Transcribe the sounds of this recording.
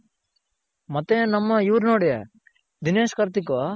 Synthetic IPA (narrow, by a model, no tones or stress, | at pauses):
mɐt̪ːenɐmːɐiʋɾnoːɽje | d̪ineːʃkɐɾt̪ikʋa